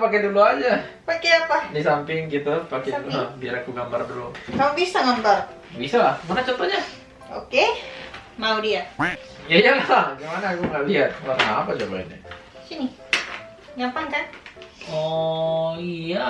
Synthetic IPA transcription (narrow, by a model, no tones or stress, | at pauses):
pakɛd̪uluɦad͡ʒapakeapadisampɪŋkit̪apakɛdulubiaɾakuɡambardəlo̰kamabisaɡambar | bisalamanat͡ʃɔnt̪ɔɲa | o̰ke | maudiajajaŋaaɡamanaːkuŋaliɦat̪̚maɾaŋaapat͡ʃoba̰ɪ̰na̰ | sini | ɡapaŋkanɔ | ija